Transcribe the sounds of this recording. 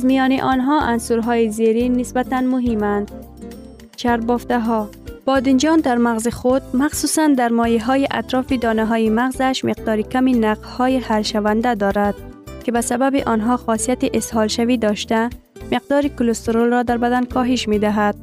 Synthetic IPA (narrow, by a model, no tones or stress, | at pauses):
azmijɔniʔɔnɦɔʔansuɾɦɔjizeɾinɪsbat̪anmʊɦimand̪ | t͡ʃʰaɾbɔft̪aɦɔ | b̥ɒd̪ɪnd͡ʒɒnd̪aɾmaɣzixʊd̪maxsusand̪aɾmɔjiɦɔjiʔat̪ɾɔːfid̪ɒnaɦɔjimaɣzaʃmɪqd̪ɒːɾikaminaqz̥hɔjihalʃavand̪ad̪ɒɾad̪̥ | kɪbasababiʔɔnɦɔxɔsijat̪iʔɪshɒlʃavid̪ɒʃt̪a | mɪq̚d̪ɒːɾikʊlost̪oɾolɾɔd̪aɾbad̪ankʰɔɦiʃmed̪aɦad̪̥̚